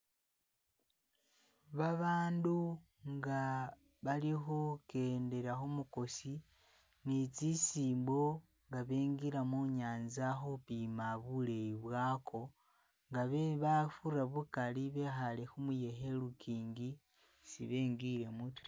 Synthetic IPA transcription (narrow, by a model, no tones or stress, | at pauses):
βaβaːndu | ŋɡa | βaliɦoke̞ːnde̞ɾaxomuko̞si | nit͡sisiːmbo̞ | ŋɡaβeːŋɡiɾamuɲaːnzaxopimaβulejiβwaːkʰo̞ | ŋɡaβeβafuraβukaliβe̞xalexumuje̞ɦe̞lukiːŋɡi | sḭβe̞ːŋɡiɾe̞mutɾ